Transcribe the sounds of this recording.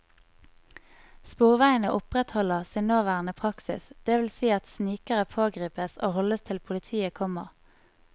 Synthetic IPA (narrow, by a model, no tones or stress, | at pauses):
spuːʁʋæɪənəʔʊpʁɛt̪hɔləʁsiːnnoːʋæːʁənəpʰʁɑksɪ̰sd̪̥eːʋɪlsiːɑt̪sniːkəʁəpʰoːɡʁiːpəso̰ːhɔləst̪ʰɪlpʰʊlɪt̪ʰiːəkʰɔmə̰ʁ